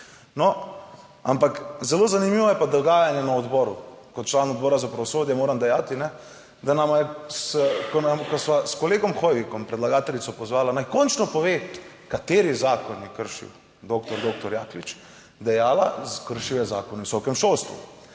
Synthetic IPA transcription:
nɔ | a̰mpakzɛlozanimiʋɔjɛpad̪ɔɡaːjanjɛnaɔd̪bɔɾukɔt̪t͡ʃlaːnɔd̪̚bɔːɾazapɾɐʋɔsoːd̪jɛmoːɾamd̪ɛjaːt̪inɛ | d̪anamajɛskɔnamkɔsʋaskɔleːɡɔmxojʋikɔmpɾɛd̪laɡaːt̪ɛlitsɔpɔzʋaːlanajkɔnt͡ʃnɔpɔʋe | kat̪eːɾijɛzaːkɔnjɛkəɾʃḭw | d̪oːkt̪ɔɾd̪oːk̚t̪ɔɾjaːklit͡ʃ | d̪ɛjaːlazkəɾʃiwjɛza̰ːkɔnɛʋisɔkɛmʃolst̪ʋṵ

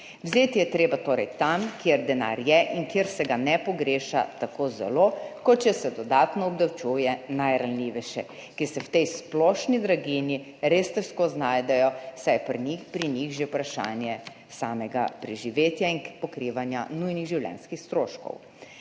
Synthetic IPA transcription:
wzeːt̪ijɛt̪ɾeːbat̪oːɾɛjt̪amkjeɾd̪ɛna̰ːɾjɛʔiŋkjeɾsɛɡanɛpɔɡɾeːʃa̰t̪akozɛ̰lokɔt̪̚t͡ʃɛsɛd̪ɔd̪aːt̪nɔɔb̚d̪awt͡ʃujɛnajɾalliʋɛʃɛ | kisɛwt̪ɛjsplɔʃnid̪ɾaɡini | ɾest̪ɛskoznaːjd̪ɛjɔsajpɾnixpɾinixʒewpɾaʃa̰ːnjɛ | saːmɛɡa̰pɾiʒiʋeːt̪jainpɔkɾiːʋanja̰nujniɣʒiwlʲjɛ̰nskixst̪ɾoːʃkɔ̰w

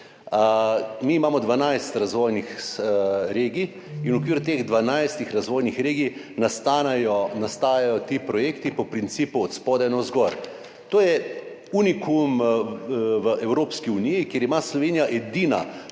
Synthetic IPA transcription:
miːmaːmɔd̪ʋanajst̪ɾazʋoːjnix | ɾeːɡiː | nwɔkʋiːɾjʊt̪eːɣd̪ʋanajst̪ixɾazʋoːjnixɾeːɡij | nast̪anjɔnast̪aːjajɔt̪ipɾɔjeːkt̪ipɔpɾint̪siːpuɔt̪spɔːd̪ɛnɔzɡɔɾ | t̪oːjɛ | unikum | ʋəɛwɾoːpskiunijikjeɾimaslɔʋeːnijaʔɛd̪iːna̰

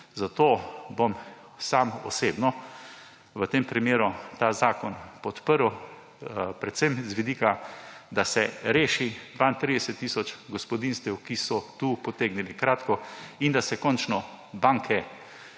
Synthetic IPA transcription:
zat̪oːbom | samɔ̰seːbnɔ | ʋət̪eːmpɾimeːɾut̪aːzaːkɔnpɔt̪pəɾw | pɾɛt̪sɛmzʋid̪iːkad̪asɛɾeːʃid̪ʋaːint̪ɾiːd̪ɛsɛt̪ːiːsɔt͡ʃɡɔspɔd̪inst̪ɛwkisɔt̪uːpɔt̪eːɡnilikɾaːt̪kɔind̪asɛkɔnt͡ʃnɔ | baŋkʰɛ

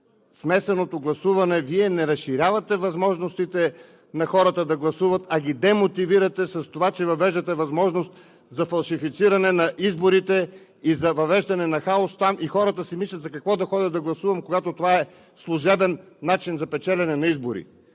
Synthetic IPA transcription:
smɛsɛnot̪oɡlˠɐsuvɐnɛviɛnɛɾɐsʃiɾʲavɐt̪ɛvɐzmɔʒnost̪it̪ɛ | nɐxɔɾət̪əd̪ɐɡlˠɐsuvɐt̪ɐɡʲid̪ɛmot̪iviɾɐt̪ɛsɐst̪ovat͡ʃɛvɐvɛʒd̪ɐt̪ɛvɐzmɔʒnost̪ | zɐfɐlˠʃifit̪siɾɐnɛnɐʔizboɾit̪ɛ | izɐvɐvɛʒd̪ɐnɛnɐxaost̪amʔixɔɾət̪əsimislʲɐt̪zɐkɐkvɔd̪ɐxɔd̪ʲɐd̪d̪ɐɡlˠɐsuvɐmkoɡat̪ot̪ovaɛ | slˠʊʒɛbɛnː | at͡ʃinzɐpɛt͡ʃɛlʲɛnɛnɐizboɾḭ

